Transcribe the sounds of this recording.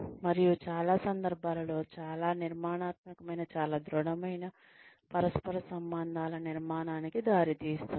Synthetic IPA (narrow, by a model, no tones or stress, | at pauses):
mɐɾijut͡ʃaːlaːsɐnd̪ɐɾbʱaːlɐlo̞ːt͡ʃaːlaːniɾmaːɳaːt̪̚mɐkɐmɐjnɐt͡ʃaːlaːd̪ɾɔɽɐmɐjnɐ | pɐɾɐspɐɾɐsɐmbɐnd̪ʱaːlɐniɾmaːnaːnikid̪aːɾit̪iːst̪un